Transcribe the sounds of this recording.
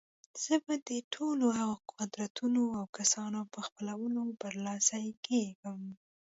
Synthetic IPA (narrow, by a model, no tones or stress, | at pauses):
z̥əbad̪əʈʰolohaɣaqʰʊd̪ɾat̪unoawkasɑnopəxpəlawəlobəɾlɑsajekeɡəm